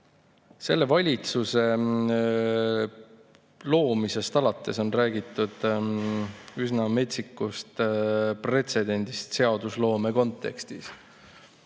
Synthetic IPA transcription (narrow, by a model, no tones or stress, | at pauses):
se̞̰lːe̞vɑlʲit̪suse̞ | lo̞ːmise̞st̪ɑlɑt̪ːe̞so̞nræːɡit̪ˑːud̪̥ | ysnɑme̞t̪sikːust̪pre̞t̪se̞d̪e̞nʲd̪̥ist̪se̞ɑd̪̥uslo̞ːme̞ko̞nt̪ːˑe̞̰kst̪is